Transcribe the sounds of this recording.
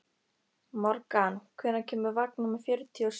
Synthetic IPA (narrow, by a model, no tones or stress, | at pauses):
mɔɾkankʰvɛːnacʰɛːmʏɾvak̚nʏmafjʏɾʏt̪ʰiɔs